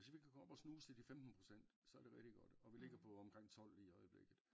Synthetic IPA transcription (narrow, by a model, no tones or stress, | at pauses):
e̝sʋikʰækʰɒɒb̥ɒsnuːsʰed̥ifemd̥n̩pʰʁo̝sen̰d̥sɒ̽ɐɾ̥e̝ʁɛɡd̥iɡ̥ɒ̽d̥ɒ̽ʋile̝ɡ̥ɐpʰɒ̽ɒ̽mkʰʁeŋ̰t͡sʰɒ̽l̰iɒɪəb̥le̝ɡ̥ð̩ˠ